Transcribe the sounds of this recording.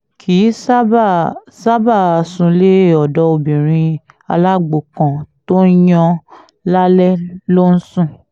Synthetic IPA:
kʰi˨˦sa˦ba˦˨sa˦ba˦˨a˨sũ˧le˦˨ɔ˨dɔ˧˦o˧bĩ˨ɾ̃ĩ˧ | a̰˧la˦ɡ͡bo˨kã˨to˦jɔ̃˧ | la˦lɛ˦lo˦n̩˦sũ˦˨

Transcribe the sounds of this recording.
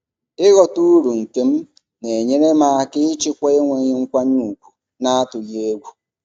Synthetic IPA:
ɪ˦ɣɔ˨tu˦ɾu˨ŋ̩˨ke˦m̩˦ | ne˨ɲe˦ne˦ma˦a˦kɪ˦t͡ʃɪ˦kʷe˦e˦ŋʷe˨ɲɪ˦ŋ̩˦kʷa˦ɲu˦˨kʷu˨ | na˦a˦tʊ˨je˦e˦ɡʷu˦

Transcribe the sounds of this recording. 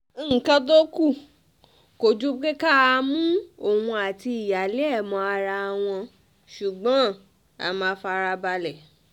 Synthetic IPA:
kã˦do˦ku˦˨ | ko˨d͡ʒu˦ke˦ka˦˨a˧mũ˦o˦˨wũ˧a˨ti˧i˨ja˨le˦ɛ˦˨mɔ̃˧a˧ɾa˧a˧w̃ɔ̃˧ | ʃu˨ɡ͡bɔ̃˨˦ | a̰˨mã˨˧˦fa˧ɾa˧ba˧lɛ˨

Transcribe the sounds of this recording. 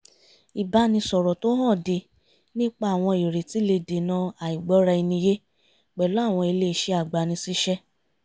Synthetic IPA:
i˨ba˨˧˦nĩ˧sɔ˨ɾɔ˨to˦hã˦˨de˧ | nĩ˦k͡pa˦˨w̃ɔ̃˧i˨ɾe˨ti˨˦le˧de˨nã˨˦a˨i˨ɡ͡bɔ˨˦ɾa˧i˧nĩ˧je˦ | k͡pɛ˨lo˨˦a˦˨w̃ɔ̃˧i˧le˦˧˨ʃe˦a˦˨ɡ͡ba˨nĩ˧si˦ʃɛ˦

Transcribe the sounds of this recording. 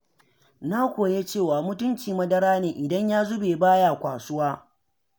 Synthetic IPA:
na˦kʷoː˨je˦t͡ʃeː˦˨waː˨mʊ˦tʊ˦nt͡ʃiː˨mɐ˦dɐ˦ɾaː˦neː˨ʔɪ˨dɐ˦ɲjaː˦zʊ˦beː˨baː˦jaː˨kʷaː˨sʊ˦waː˦

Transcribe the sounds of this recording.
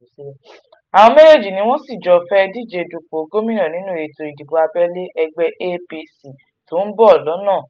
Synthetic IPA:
a˨w̃ɔ̃˧me˦le˦˨d͡ʒi˨nĩ˧˦w̃ɔ̃˦si˦˨d͡ʒɔ˨fɛ˦˧di˦˨d͡ʒe˧du˨ko˨˦ɡo˦mĩ˦nã˦˨nĩ˨˦nũ˦e˨to˨˧i˨di˨bo˨˧a˧bɛ˦le˦ʔɛ˧ɡ͡bɛ˧˦ʔe˦pi˧si˨ | to˨˦n̩˦bɔ˦ɔ˦˨lɔ˨˦nãː˦˨

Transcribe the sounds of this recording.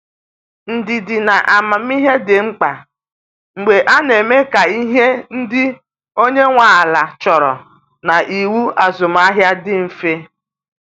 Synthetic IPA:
n̩˨dɪ˨dɪ˨na˨ʔa˨ma˨m̩˦i˦ɦe˦dɪ˨ŋ͡m̩˦k͡pa˨ | ŋ͡m̩˨ɡ͡be˨ʔa˦ne˨me˦ka˨i˦ɦe˦n̩˦dɪ˦ | o˦ɲe˦ŋʷaː˨la˨t͡ʃɔ˨ɾɔ̰˨ | na˨ʔi˨wu˦a˨zʊ˨m˦a˦ɦja˦dɪ˦m̩˨fe˦

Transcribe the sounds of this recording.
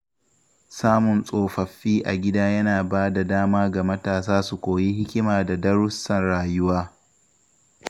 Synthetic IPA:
saː˦mʊ˨nsʼoː˨ɸɐ˨ɸːiː˦ʔa˨ɡʲɪ˦daː˦jɐ˦naː˨baː˦da˨daː˦maː˦ɡa˨mɐ˦taː˨saː˦su˨kʷoː˨ji˦hɪ˦kʲɪ˦maː˨da˨dɐ˦ɽʊ˦sɐ˨nɽaː˨jʊ˦waː˦

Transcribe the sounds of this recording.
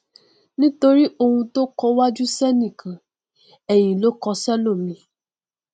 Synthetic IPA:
nĩ˦to˧ɾi˦ʔo˧hũ˧to˦kɔ˧wa˦d͡ʒu˦sɛ˦nĩ˦˨kã˨ | ɛ˨j̃ĩ˨lo˨˦kɔ˧sɛ˦lo˦˨mĩ˧

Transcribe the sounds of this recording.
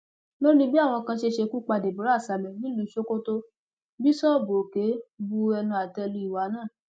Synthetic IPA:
lo˦nĩ˧bi˦a˦˨w̃ɔ̃˧kã˧ʃe˧ʃe˧ku˦k͡pa˧de˨bu˨ɾa˨˦˨sa˨bɛ˨nĩ˦lu˨˦˨ʃo˦ko˦to˦ | bi˦sɔ˦˨bo˨ke˨˦bu˧ɛ˧nũ˧a˨tɛ˧lu˧i˨wa˨˦nãː˦˨

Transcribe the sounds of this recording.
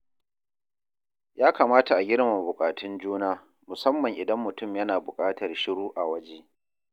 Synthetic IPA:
jaː˦ka˨maː˦ta˨ʔa˨ɡʲɪ˦ɽma˨bʊ˨kʼaː˨tʰʊ˦nd͡ʒuː˦naː˦ | mʊ˨sɐ˦mːɐ˨ŋʔɪ˨dɐ˦mːʊ˨tʊ˦mjɐ˦naː˨bʊ˨kʼaː˦tɐ˨rʃɪ˦ɽuː˦ʔa˨wɐ˦d͡ʒeː˦ʔ

